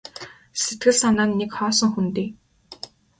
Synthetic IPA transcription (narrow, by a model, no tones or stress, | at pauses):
set̪ɡɘ̆ɮsanaːnːekχɔːsɞ̆ŋxunt̪iː